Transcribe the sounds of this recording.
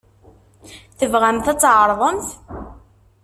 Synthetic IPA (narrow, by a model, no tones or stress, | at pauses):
θəvʁæmθæt͡sːʕəɾˤðˤəmθ